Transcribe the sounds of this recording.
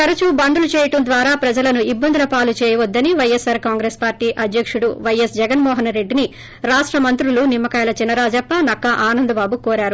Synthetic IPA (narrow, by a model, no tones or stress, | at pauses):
kɐɾɐt͡ʃubɐnd̪ulut͡ʃɛːjɐʈɐnd̪ʋaːɾaːpɾɐd͡ʒɐlɐnuibːɐnd̪ulɐpaːlut͡ʃɛːjɐʋɐd̪ːɐniʋɐjesaːɾkaːŋɡɾeːspaːɾʈiːʔɐd̪ʱjɐkʂuɽuʋɐjesd͡ʒɛɡɐnmɔːɦɐnɾe̞ɖːini | ɾaːʂʈɾɐmɐnt̪ɾulunimːɐkaːjlɐt͡ʃinɐɾaːd͡ʒɐpːɐnɐkːɐʔaːnɐnd̪ɐbaːbukɔːɾaːɾu